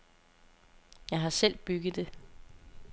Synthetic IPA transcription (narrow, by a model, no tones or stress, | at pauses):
jɑ̈ɪɦɑ̈sel̰b̥yɡ̥ð̩ˠd̥e̝